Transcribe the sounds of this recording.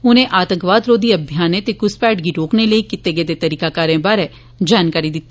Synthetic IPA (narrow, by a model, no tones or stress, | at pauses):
ʊnẽʔaːt̪ə̃ŋkʋaːd̪ɾoːd̪iɐbʱjaːnẽt̪ekʊspɛːʈɡiɾoːkneləikɪt̪ːeɡed̪et̪ɐɾiːkakaːɾẽbaːɾe | d͡ʒaːnkaːɾid̪ɪt̪ː